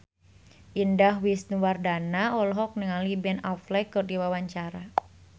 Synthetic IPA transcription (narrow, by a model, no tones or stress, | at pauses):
ʔindahwisnuwardanaɔlɔɦɔk̚nəŋalibɛnaflɛkɨrdiwawaɲt͡ʃaɾa